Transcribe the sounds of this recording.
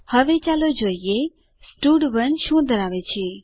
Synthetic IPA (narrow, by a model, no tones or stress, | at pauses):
hɐʋet͡ʃaːlod͡ʒoːije | sʈuːɖbənʃũːd̪əɾaːʋet͡ɕʰiː